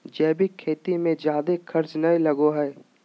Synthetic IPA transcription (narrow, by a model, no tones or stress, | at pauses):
d͡ʒɛːbʱikʰːeːt̪imẽd͡ʒjaːd̪ekʰɐɾt͡ʃnɐĩlɐɡoɦɛː